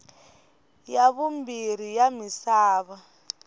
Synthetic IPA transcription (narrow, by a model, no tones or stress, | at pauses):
jaβumbiɾ̤ijamisaːβa